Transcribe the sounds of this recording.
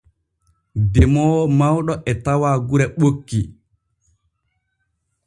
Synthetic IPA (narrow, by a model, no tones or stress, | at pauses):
dɛmɔmawɗɔʔɛtawaːɡuɾɛɓokːi